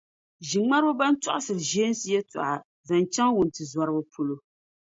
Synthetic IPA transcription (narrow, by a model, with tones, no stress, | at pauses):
ʒi˨ŋ͡ma˦ɾbʊ˦ba˦n̩˦tɔ̰˦ʔʊ˦sɨ˨ɾɨ˨ʒeː˦n˦si˨˦jɛ˦ta̰˨ʔa˨ | za˨n˨t͡ʃa˦ŋwʊ˨n˨tɨ˨za˨ɾɨ˦bɨ˦pʰo˦lo˦